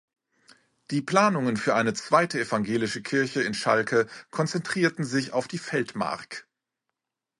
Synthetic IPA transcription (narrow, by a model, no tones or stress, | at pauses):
d̥iːpl̥aːnʊŋənfyːɐʔaɪnət͡sv̥aɪtəɛfaŋɡeːlɪʃəkʰɪɐçəɪnʃa̰lkʰəkʰɔnt͡sɛntʁ̥iːɐtn̩zɪça̰ʊfd̥iːfɛltma̰ɐk